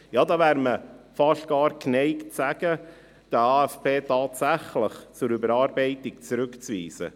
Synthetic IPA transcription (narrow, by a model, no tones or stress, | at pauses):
jɑːdɑːvæːɾməfɑʃtɡ̥ɑːɾknɛɪksæɡ̥ə | d̥əɑːɛfpeːtɑːtsæχləχt͡sʊɾybəɾɑːɾbɛɪtɪk̚t͡sɾʏkt͡svḭːsə̰